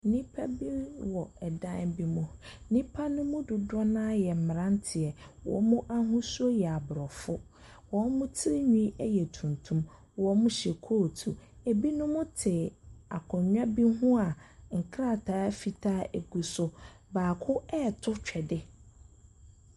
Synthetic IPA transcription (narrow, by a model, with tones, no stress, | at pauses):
nĩ˦pʰa˦bi˦wɔ˨ɛ˨dã˦n˦bi˦mũ˦nĩ˦pʰa˦nʊ̃˦mʊ̃˦dʊ˨dɔ˦nã˦jɛ˨m̩˨mɪ˨ã˦n˦tʰɪ˨ɛ˨wɔ̰˨˦mʊ̃˦ʔa˦ɦũ˦su˦o˦jɛ˨a˨bʊ˨ɾɔ˨fʊ˦ | wɔ˨˦mʊ̃˦tʰɪ˦ɪ˦ɲũ˦ɛ˦jɛ˨tʰũ˨ntʰũ˦m | wɔ˨˦mʊ̃˦ɕɛ˨kʰo˦˨tʰu˨e˨bi˦nʊ̃˦mʊ̃˦tʰɪ˨a˨kʰɔ˨ɲᶣã˦bi˦ɦũ˦a˨ŋ̩˨kʰɾa˦˨tʰaː˨˦fi˨tʰaː˦e˨ɡu˨sʊ˦ | baː˨kʰʊ˦ɛ˦˨tʰʊ˦t͡ɕᶣɛ˨dɪ˦